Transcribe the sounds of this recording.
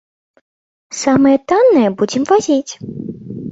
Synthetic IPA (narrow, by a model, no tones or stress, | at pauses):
samɨjɛt̪anːɨjɛbud͡zʲɪmvazʲit͡sʲ